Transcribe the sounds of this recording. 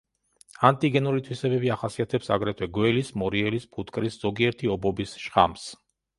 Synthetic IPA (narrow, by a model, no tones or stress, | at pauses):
ant̪ʼiɡɛnulit̪ʰwisɛbɛbiaχasiat̪ʰɛpsa̰ɡɾɛt̪ʰwɛɡwɛlismɔɾiɛlispʰut̪ʰkʼɾisz̥ɔɡiɛɾt̪ʰiɔbɔbisʃχa̰ms